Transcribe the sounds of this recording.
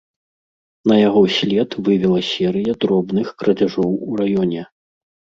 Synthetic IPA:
nɐjaɣɔsʲlʲɛt̪vɨvʲɛlˠɐsʲɛɾɨjɐd̪ɾɔbnɨxkɾɐd͡zʲaʐɔwurajɔnʲɛ

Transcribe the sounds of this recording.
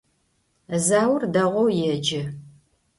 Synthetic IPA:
zaːwrdɐʁʷɔwjɛd͡ʒɪ

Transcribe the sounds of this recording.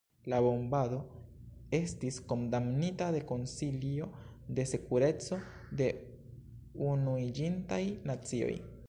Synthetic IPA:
laβo̞mbado̞ | e̞stisko̞ndamnitade̞ko̞nsilio̞ | d̪e̞se̞kuɾe̞t͡so̞ | d̪e̞ | unuid͡ʒintajnat͡sio̞̰j

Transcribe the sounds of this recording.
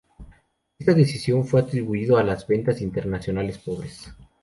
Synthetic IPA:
e̞st̪aðesisjo̞ɱfwe̞at̪ɾiβuiðoalazβe̞nt̪asint̪eɾnasjo̞nale̞spo̞β̞ɾes

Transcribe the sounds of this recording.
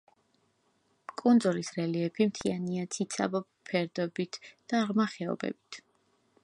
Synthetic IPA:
kʼund̪zulisɾɛliɛpʰimt̪ʰianiat̪sʰit̪sʰa̰bɔppʰɛɾd̪ɔbit̪ʰd̪̥aʁmaχɛɔ̰bɛ̰b̥it̪ʰ

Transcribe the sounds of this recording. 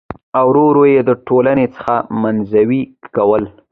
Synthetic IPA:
awɾoɾojed̪əʈolanet͡sə̥xamanzawikawəl

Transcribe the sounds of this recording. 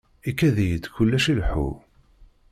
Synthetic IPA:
ikːæðijəd̪çʊlːæʃilħṵ

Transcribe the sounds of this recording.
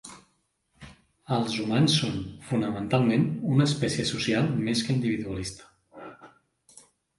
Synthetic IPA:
əlˠzumansːonfunəmənt̪alˠmenunəspɛsiəsusialˠmeskəind̪iβiðuəlist̪ə̥

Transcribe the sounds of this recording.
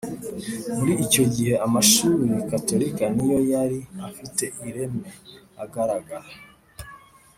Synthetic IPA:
muɾiːco̞ɟihe̞amaʃuɾikato̞ɾikanijo̞jaɾiafite̞ʔiɾe̞me | aɡaɾaɡaɾa

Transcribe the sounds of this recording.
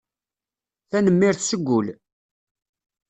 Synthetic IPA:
θænəmːɪɾθsəɡʷːʊl

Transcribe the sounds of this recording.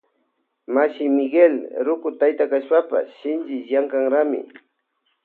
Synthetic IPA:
maʃɪmɪɡelɾʊkʊt̪ajt̪akaʃpapa̰sʃɪnd͡ʒɪjaŋkaŋɾamɪ̰

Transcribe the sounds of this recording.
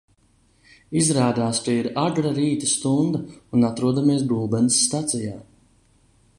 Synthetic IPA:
izɾaːd̪aːst͡ʃiiɾaɡ̪ɾaɾiːt̪ast̪und̪aunat̪ɾuɔd̪amiɛs̬buːbɛnsːt̪at̪sijaː

